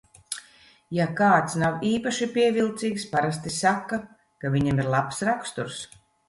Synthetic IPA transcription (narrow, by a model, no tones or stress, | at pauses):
jakaːt̪snawiːpaʃipʲiɛvilˠt̪siːkspaɾast̪isakːa | kavʲiɲɛmiɾlˠapsɾakst̪uɾs